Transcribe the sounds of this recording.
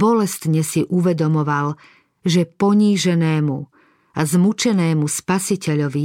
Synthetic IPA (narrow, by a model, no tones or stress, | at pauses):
bɔlɛst̪ɲɛsiʔuʋɛd̪ɔmɔʋal | ʒɛpɔɲiːʒɛnɛːmu | azmut͡ʃɛnɛːmuspasicɛʎɔʋi